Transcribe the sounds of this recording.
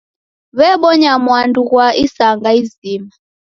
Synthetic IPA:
βɛɓɔɲamwanduɣwaʔisaŋɡaizima

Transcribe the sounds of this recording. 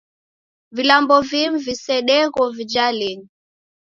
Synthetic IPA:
vilambɔvimvisɛɗɛɣɔvid͡ʒalɛni

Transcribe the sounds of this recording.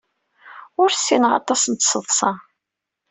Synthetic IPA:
ʊɾsːinəʁɑ̰t̪ˤɑsənt̪səðˤsˤɑ

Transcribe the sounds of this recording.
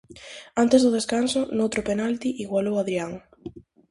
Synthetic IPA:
ant̪ezðʊð̞eskansʊnowt̪ɾopenalt̪iʔiɣwalowaðɾiaŋ

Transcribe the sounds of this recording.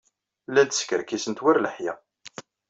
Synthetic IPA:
lːæd̪skəɾkisənt̪wæɾləħjæ

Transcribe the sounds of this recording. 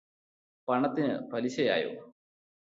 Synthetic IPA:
pɐɳɐt̪ːinɨ̰pɐliɕɐja̰ːjo̰ː

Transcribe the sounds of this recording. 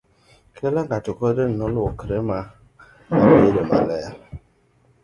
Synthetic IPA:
kʰelaŋɡatukɔden̩ɔlukɾema | awedema̰lɛa

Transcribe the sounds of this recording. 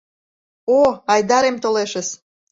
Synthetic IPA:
oɑjd̪ɑɾemt̪oleʃəs

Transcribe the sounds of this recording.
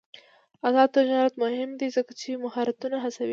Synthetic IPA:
azɑd̪̚t̪ɪd͡ʒɑɾat̪mʊhɪmd̪izəkat͡ʃemahɑɾat̪unaɦasawi

